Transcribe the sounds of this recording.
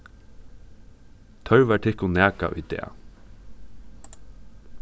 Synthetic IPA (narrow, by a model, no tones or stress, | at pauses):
t̪ʰœɹʋæʈʰɪhkʊnæːka̰ʔʊ̰jd̪ɛ̰ː